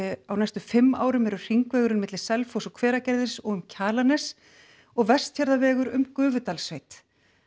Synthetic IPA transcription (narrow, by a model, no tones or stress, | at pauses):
awnajst̪ʏfɪmːa̰ːwɾʏmɛɾʏr̥iŋkvɛːɣʏɾʏnmːɪt̪lɪ̥sɛlfɔsɔkʰv̥ɛːɾacɛɾðɪsɔɣʏmcʰaːlanɛs | ɔɣvɛ̥st̪çaɾðavɛːɣʏɾʏmkʏːvʏt̪alsvejt̪